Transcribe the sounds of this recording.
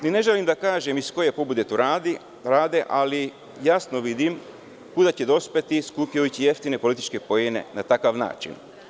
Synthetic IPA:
nine̞ʒelimd̪akaːʒemisko̞je̞pobud̪et̪uɾad̪i | ɾaːd̪e̞ʔali | jasnoʋid̪im | kud̪at͡ɕe̞d̪o̞spet̪iskupjiot͡ɕije̞ft̪ine̞po̞lit̪it͡ʃke̞pojene̞̰nat̪akaʋna̰ːt͡ʃḭn

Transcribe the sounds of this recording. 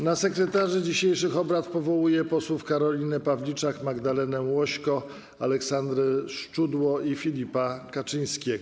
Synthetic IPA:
nasɛkɾɛt̪aʐɘd͡ʑiɕejʂɘxɔbɾat̪pɔvɔwujɛpɔswufkaɾɔlʲinɘpavlʲit͡ʂakmaɡd̪alɛnɛwɔɕkɔ | a̰lɛksand̪ɾɘʂt͡ʂud̪wɔifʲilʲipakat͡ʂɨj̃skʲeɡɔ

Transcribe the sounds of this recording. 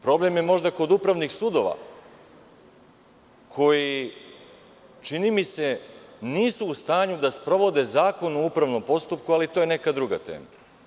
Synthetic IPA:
pɾo̞ble̞mjemo̞ʒd̪ako̞d̪upɾaʋnixsud̪o̞ʋa̰ | kʰo̞ji | t͡ʃinimise̞niːsuːst̪aːɲud̪aspɾo̞ʋo̞d̪e̞zaːko̞nuupɾaʋno̞mpo̞st̪upkualit̪ojene̞kad̪ɾuɡa̰t̪ḛːma

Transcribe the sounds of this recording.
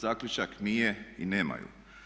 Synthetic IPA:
zaːkʎut͡ʃaknijeineːma̰jṵ

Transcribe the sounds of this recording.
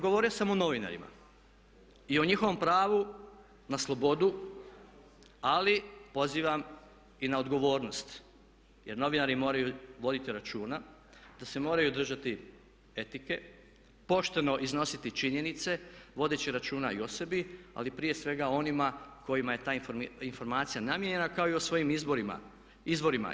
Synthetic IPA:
ɡo̞ʋo̞ːɾijosamo̞no̞ʋina̰ɾḭma̰ | io̞ɲixo̞ʋo̞mpɾaːʋu | naslˠo̞bo̞d̪u | alipo̞ziːʋam | inaod̪ɡo̞ʋo̞ːɾno̞st̪ | je̞ɾno̞ʋinaɾimo̞ːɾajuʋo̞d̪it̪iɾat͡ʃuːnad̪̥ase̞mo̞ːɾajud̪r̩ʒat̪i | e̞t̪ike̞ | po̞ʃt̪e̞no̞ʔizno̞sit̪it͡ʃiɲe̞nit̪se̞ʋo̞d̪et͡ɕiɾat͡ʃuːnaio̞se̞bia̰lipɾije̞sʋe̞ɡao̞nimako̞jimaje̞t̪aːifinfo̞ɾmaːt̪sijanamjeɲe̞nakao̞iosʋo̞jimizboɾima̰ | izbo̞ɾima̰

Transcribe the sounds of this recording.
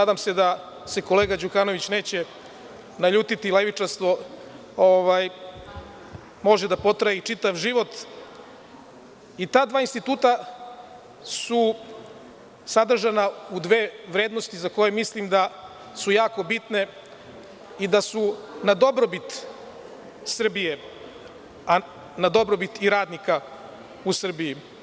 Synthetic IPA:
ad̪aːmse̞d̪a | se̞ko̞le̞ːɡad͡ʑukano̞ʋit͡ɕne̞ːt͡ɕe | naʎuːt̪it̪ileʋit͡ʂaɾst̪ʋo̞ | oʋaːj | mo̞ʒed̪apo̞t̪ɾajit͡ʂit̪aʋʒiʋo̞t̪ | it̪aːd̪ʋaːinst̪it̪uːt̪a | su | sad̪r̩ʒanaud̪ʋeːʋɾeːd̪nost̪izako̞jemislimd̪a | sujaːko̞bit̪ne̞ | id̪asunad̪o̞bɾobit̪ | sr̩bije | a | nad̪o̞bɾobit̪iɾaːd̪nika | usr̩biji

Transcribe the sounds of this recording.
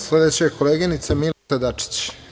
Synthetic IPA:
sled̪et͡ɕakoleɡinit̪samilad̪at͡ʂi̥t͡ɕ

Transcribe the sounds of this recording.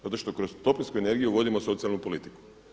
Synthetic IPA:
zat̪o̞ʃt̪o̞kɾozt̪o̞plʲinʲskuene̞ɾɡijuʋo̞d̪imo̞so̞t̪sialnupo̞lit̪i̥ku̥

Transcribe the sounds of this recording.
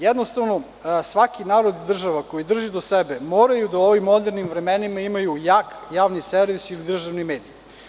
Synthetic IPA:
jɛd̪nost̪aʋno̞ | sʋakinaːɾo̞d̪ːr̩ʒaʋakojid̪r̩ʒid̪osebemoːɾajud̪ao̞ʋimːo̞d̪eɾnimvɾemenimaimajujaːkjaːʋniseɾʋisilid̪r̩ʒaʋnime̞ːd̪ij

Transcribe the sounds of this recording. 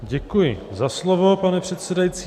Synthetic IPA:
ɟɛkujɪzaslovopanɛpr̝̥ɛt̪sɛdajit͡siː

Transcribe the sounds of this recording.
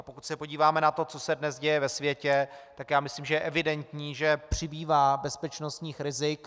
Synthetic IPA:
pokucsɛpo̞ɟiːvaːmɛnat̪o̞t͡so̞sɛdnɛzɟɛjɛvɛsvjɛcɛt̪akjaːmɪsliːmʒɛjɛʔɛvɪdɛnt̪ɲiːʒɛpr̝̥ɪbiːvaːbɛspɛt͡ʃno̞st̪ɲiːxɾɪzɪk

